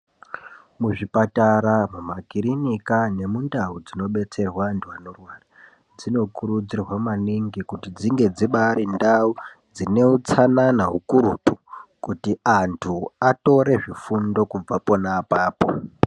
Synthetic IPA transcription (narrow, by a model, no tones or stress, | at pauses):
muʐipataɾamumakiɾinikane̞mundaud͡zino̞ɓe̞t͡se̞rwandʰuanorwara | d͡zino̞kuɾud͡zirwamaniŋɡikutid͡ziŋɡe̞d͡ziɓaɾindaud͡zine̞ut͡sananaɦukuɾutu̥kutiantʰuato̞ɾe̞ʐifundo̞kub͡vapo̞napaːpo̰